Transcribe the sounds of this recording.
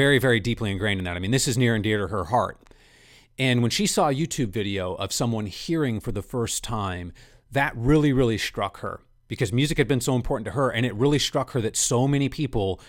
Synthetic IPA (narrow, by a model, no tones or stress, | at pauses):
ɛɹivɛɹidipliɨ̃nɡɹẽɪ̃nɨ̃n̩ðɨɾaɪmĩnðɪsɨznɪɹɨ̃ndɪɹɾɨə˞hɑ̰ɹt̚ | ɨ̃nwə̃nʃisɔjʉtʰʉbvɪɾioʊʔʌ̰v̥sʌ̃mwʌ̃nhiɹɪ̃ŋfə˞ðəfɜ˞stʰãɪ̃m | ðɨt̚ɹɪlˠiɹɪlˠistɹ̥ʌ̰khə̰˞ | b̥ɨkʰʌzmjʉzɨkhɨd̚bɨ̃nsoʊə̃mpʰɔɹʔn̩tʰɨə˞ʔɨ̃ñɨt̚ɹɪlˠistɹ̥ʌkhə˞ðɨtsoʊmɛñipʰipl̩ˠ